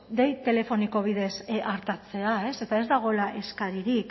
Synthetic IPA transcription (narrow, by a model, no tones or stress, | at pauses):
d̪ejt̪e̞le̞fo̞niko̞β̞ið̞e̞sʔaɾt̪at͡se̞ae̞se̞t̪ae̞zd̪aɣ̞o̞elaʔe̞skaɾiɾikk